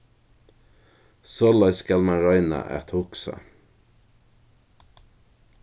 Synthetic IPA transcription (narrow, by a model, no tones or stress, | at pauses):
sɔlɑɪskɑlmɑɹɑɪnə̰ʔɛ̰t̪hʊksə̰